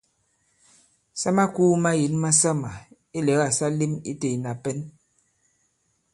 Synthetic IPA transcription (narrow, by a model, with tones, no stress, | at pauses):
sa˦ma˦kuː˦ma˦ji˨˦nma˦sa˦ma˨ | e˦lɛ˨˦ɣa˦˨sa˦li˦mḭ˦te˨i˨na˨pɛ˦n